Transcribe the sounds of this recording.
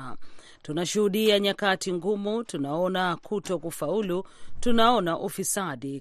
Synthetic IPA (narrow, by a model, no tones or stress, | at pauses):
tunaʃuhuɗiaɲakatiŋɡumutunaɔnakʰutɔkufaulutunaɔnaʔufisaɗi